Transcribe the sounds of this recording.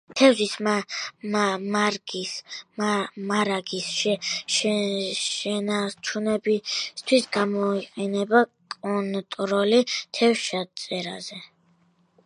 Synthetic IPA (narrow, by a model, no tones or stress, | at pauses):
t̪ʰɛvzis | maɾɡis | maɾaɡisʃɛʃ | ʃɛnaɾt͡ʃʰunɛbist̪ʰwisɡamɔiqʼɛnɛbakʼɔnt̪ʼɾɔlit̪ʰɛwʃat̪sʼɛɾa̰zɛ